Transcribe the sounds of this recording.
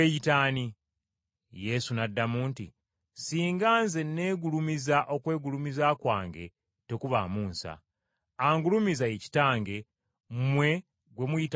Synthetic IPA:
ejitaːni | je̞sunadːamuːntḭ | siːŋɡaːnze̞nːe̞ːɡulumizaʔo̞kwe̞ːɡulumizaːkwa̰ːŋɡe̞̰ | te̞kuβa̰ːmuːnsa̰ | aŋɡulumizaeci̥taːŋɡe̞ | mwe̞ | ɡwe̞mujit

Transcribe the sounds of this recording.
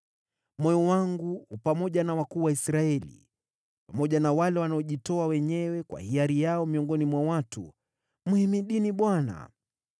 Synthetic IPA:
mɔjɔwaŋɡuhupamɔʄanawakuːwaisɾaɛlḭ | pamɔʄanawalɛwanaɔʄitɔawɛɲɛwɛkwa̰hiaɾijaɔmiɔŋɡɔnimwawatṵ | muhimiɗiniɓwana̰

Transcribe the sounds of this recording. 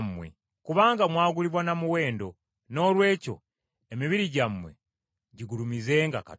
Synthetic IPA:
mːwḛ | kuβaːŋɡamwaːɡuliβwanamuwe̞ːndo̞ | no̞ːlwe̞ːco̞̰ | emiβiɾiɟamːwḛ | ɟiɡulumize̞ːŋɡaka̰

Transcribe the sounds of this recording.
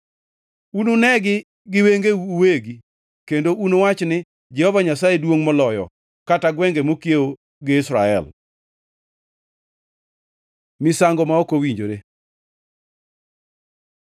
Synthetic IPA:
unonɛɡɪ | ɡɪweŋɡeuweɡi | kendoʔunowat͡ʃnɪ | d͡ʒɛhɔvaɲasaedwoŋmɔlɔjɔ̰ | kataɡwɛŋɡemokjeo | ɡɪɪsɾaɛ̰l | mɪsaŋɡɔmaɔkowiɲd͡ʒoɾe

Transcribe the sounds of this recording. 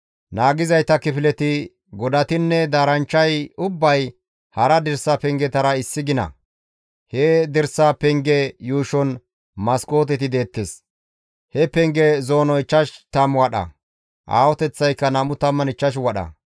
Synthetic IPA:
naːɡɪzɐjt̪ːɐkɪfɪlɛt̪ɪ | ɡɔd̪ɐt̪ɪnːɛd̪aːɾɐnt͡ʃːɐjʊbːɐj | hɐɾɐd̪ɛɾsɐpɛŋɡɛt̪ɐɾɐɪsːɪɡɪnɐ̰ | hɛd̪ɛɾsɐpɛŋɡɛjuːʃɔn | mɐsko̞ːt̪ɛt̪ɪd̪e̞ːt̪ːes | hɛpɛŋɡɛzoːnɔɪt͡ʃːɐʃt̪ɐmwɐɗɐ̰ | ʔa̰ːwɔt̪ɛt͡sːɐjkːɐnɐmʊt̪ɐmːɐnɪt͡ʃːɐʃ̬wɐɗɐ̰

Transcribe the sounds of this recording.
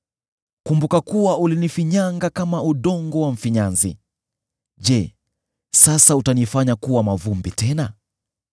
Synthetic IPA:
kumbukakuwaulinifiɲaŋɡakamauɗɔŋɡɔwaɱ̩fiɲanzḭ | ʄɛ | sasautanifaɲakuwamavumbitɛna

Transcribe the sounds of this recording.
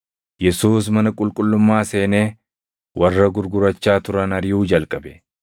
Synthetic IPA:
jɛsuːs̬mɐnɐkʼʊlkʼʊlːʊmːaːse̞ːneː | wʔɐrːɐɡʊɾɡʊɾɐt͡ʃːaːt̪ʊɾɐnɐɾɪjuːd͡ʒɐlkʼɐbɛ

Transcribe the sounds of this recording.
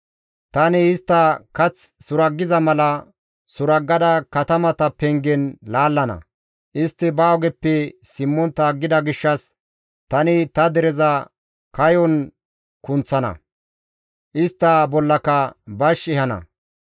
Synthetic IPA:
t̪ɐnɪːst̪ːɐkɐt͡ssʊɾɐɡːɪzɐmɐlɐ | sʊɾɐɡːɐd̪ɐkɐt̪ɐmɐt̪ɐpɛŋɡɛnlaːlːɐnɐ̰ | ʔɪst̪ːɪbaːɔɡɛpːɛsɪmːɔnt̪aːɡːɪd̪ɐɡɪʃːɐs | t̪ɐnɪt̪ɐd̪ɛɾɛzɐ | kɐjɔn | kʊnt͡sːɐnɐ̰ | ʔɪst̪ːɐbɔlːɐkɐbɐʃɪhɐnɐ̰

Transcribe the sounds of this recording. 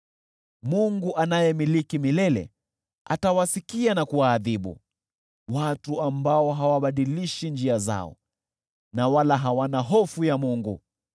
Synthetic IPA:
muŋɡuʔanajɛmilikimilɛlɛ̰ | a̰tawasikianakuwaːðiɓṵ | watuambaɔɦawaɓaɗiliʃind͡ʒiaza̰ɔ̰ | nawalaɦawanaɦɔfujamuŋɡu

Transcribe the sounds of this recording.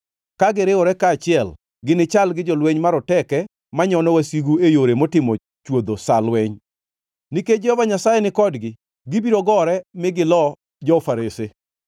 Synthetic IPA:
kaɡɪɾɪwɔɾɛkaːt͡ʃɪɛl | ɡɪnɪt͡ʃalɡɪd͡ʒɔlweɲmaɾɔtɛkɛ | maɲɔnɔwasiɡuejoɾemotɪmɔ | t͡ʃwod̪osalwɛɲ | niked͡ʒɛhɔvaɲasajɛnɪkɔdɡɪ | ɡɪbiɾoɡɔɾɛmɪɡɪlɔ | d͡ʒɔfaɾese

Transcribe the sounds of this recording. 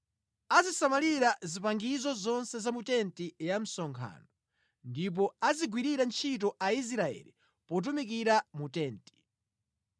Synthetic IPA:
azisamaliɾazipaŋɡizɔzɔnsɛzamutɛntijam̩sɔŋkʰa̰nɔ | ndip̬ɔaziɡwiɾiɾant͡ʃʰit̬ɔʔais̬ɾaɛ̰li | pɔt̬umik̬iɾamutɛːnti̥

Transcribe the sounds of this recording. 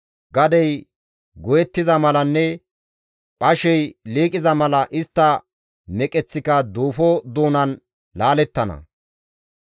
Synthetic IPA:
ɡɐd̪ɛj | ɡɔjɛt̪ːɪzɐmɐlɐnːɛ | pʼɐʃɛjliːkʼɪzɐmɐlɐʔɪst̪ːɐ | mɛkʼɛt͡sːɪkɐd̪uːfɔd̪uːnɐn | laːlɛt̪ːɐnɐ̰

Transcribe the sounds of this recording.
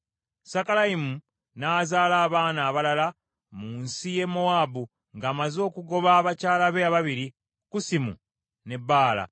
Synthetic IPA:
sakalaimu | naːzaːlaːβaːnaːβalala | muːnsije̞moabu | ŋɡaːmazo̞ːkuɡo̞βaːβacaːlaβeaβaβiɾi | kusimṵ | ne̞bːaːla̰

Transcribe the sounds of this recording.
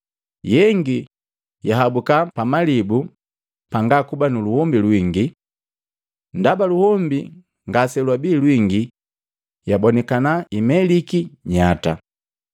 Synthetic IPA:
jɛŋɡi | jaɦabukapamalibu | paŋɡakubanuluhɔmbilwiŋɡi | ndabaluhɔmbi | ŋɡasɛlwabiːlwiŋɡi | jabɔnɛkanaimɛlikiɲata

